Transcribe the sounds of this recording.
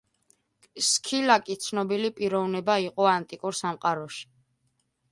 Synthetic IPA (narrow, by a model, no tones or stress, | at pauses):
skʰilakʼit̪sʰnɔbilipʼiɾɔvnɛbaiqʼɔant̪ʼikʼuɾsamqʼaɾɔʃi̥